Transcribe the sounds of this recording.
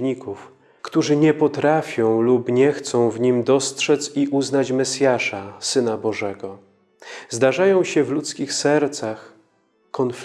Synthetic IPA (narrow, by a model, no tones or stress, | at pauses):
ɲikuf | kt̪uʐɘɲɛpɔt̪ɾafʲjɔ̃w̃lupɲɛxt̪sɔ̃w̃vɲimd̪ɔstʂɛt̪siʔuznat͡ɕmɛsʲjaʂasɘnabɔʐɛɡɔ | zd̪aʐajɔ̃w̃ɕɛvlut̪skʲixsɛɾt̪sax | kɔnf